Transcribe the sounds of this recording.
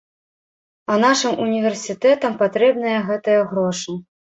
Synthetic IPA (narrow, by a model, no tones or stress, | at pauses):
ɐnaʂɨmʔunʲivʲɛrsʲit̪ɛt̪ɐmpat̪ɾɛb̚nɐjɐɣɛt̪ɐjɐɣɾɔʂɨ